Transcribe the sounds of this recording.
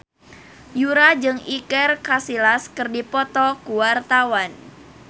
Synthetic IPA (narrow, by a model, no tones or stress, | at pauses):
juɾad͡ʒɨŋikɛrkasilaskərdipɔt̪ɔkuwart̪awan